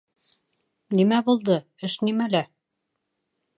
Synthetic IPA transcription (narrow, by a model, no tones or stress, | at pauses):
nimæbulˠd̪ɤ | ɘʃnimælæ